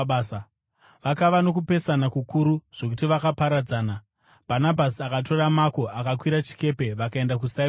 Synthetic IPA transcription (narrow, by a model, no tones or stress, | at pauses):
sa | ʋakaʋano̞kupe̞sanakukuɾuʐ̥o̞k̬utiʋakapaɾad͡zaːna | b̥ʱanabʱasiakat̬o̞ɾamako̞ʔakakwiɾat͡ʃi̥ke̞pe̞ʋakae̞ndakusa